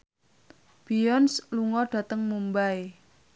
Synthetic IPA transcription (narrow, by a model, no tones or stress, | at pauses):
b̥ijɔnsluŋɔɖ̥ä̤t̪əŋmumbae